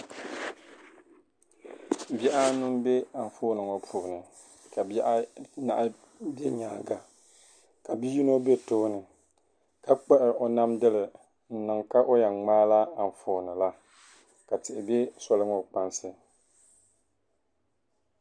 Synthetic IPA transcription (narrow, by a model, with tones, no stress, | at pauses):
bɛ˦ʔa˦nu˦mbe˦a˨n˨fo˦nɨ˨ŋɔ˨pʰuː˨nɨ˨ | ka˨bʔna̰˨ʔ | be˦ɲaː˨ɡa˨ | ka˨bi˦ji˦no˦be˦toː˦nɨ˨ | ka˦k͡pɛ˦ʔɪ˨ʔo˨na˦mdɨ˦lɪ˨ | n̩˨nɨ˨ŋka˦ʔo˦ja˨ŋŋ͡maː˦la˦a˨n˨foː˨nɨ˨la˦ | ka˨tɪ˨ʔɪ˨be˦sɔ˦lɨ˦ŋɔ˨k͡pa˦nsɨ˦